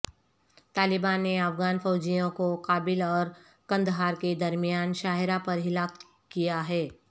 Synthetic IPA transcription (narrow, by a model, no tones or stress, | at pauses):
t̪aːlɪbaːnːeɐfɣaːnfɔːd͡ʒijõkoqaːbɪlɔːɾ | kɐ̃nd̪ɦaːɾked̪ɐɾmijaːnʃaːɦɪɾapɐɾɦɪlaːk | kijaɦɛː